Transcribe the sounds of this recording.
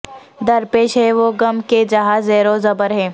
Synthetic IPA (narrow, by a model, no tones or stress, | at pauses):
d̪ɐɾpeːʃɦɛʋoːɡɐmked͡ʒɐɦaːzɛːɾozɐbəɾɦɛ̃ː